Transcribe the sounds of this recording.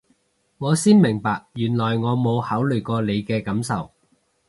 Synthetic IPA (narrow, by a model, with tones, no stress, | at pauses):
ŋɔː˨˧siː˥nmɪ˨˩ŋpaː˨k̚jyː˨˩nlɔː˨˩jŋɔː˨˧mo˨˧whaː˨˥wlɵ˨˩jkɔː˧le˨˧jkɛː˧kɐ˨˥msɐ˨w